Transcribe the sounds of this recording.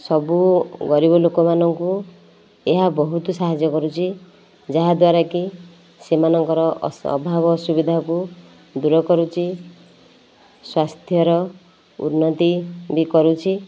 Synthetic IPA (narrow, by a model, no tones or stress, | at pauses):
sɔbuɡɔɾibɔlokɔmanɔŋku | eɦabɔɦut̪usaɦad͡ʒjɔkɔɾut͡ʃʰi | d͡ʒaɦad̪waɾaki | semanɔŋkɔɾɔɔ̰bʱabɔsubid̪ʱaku | d̪uɾɔkɔɾut͡ʃʰi | swast̪ʰjɔɾɔ | ṵnːɔt̪ibikɔɾut͡ʃʰi